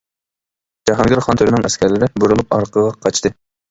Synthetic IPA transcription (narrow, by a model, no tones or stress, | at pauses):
d͡ʒɑɦɑnɡʲiɾχɑnt̪ʰøɾɪnɨŋɛskʲʰɛɾlɪɾɪbuɾulˠupɑ̰ɾqəʁɑqʰɑt͡ʃʰt̪ʰɨ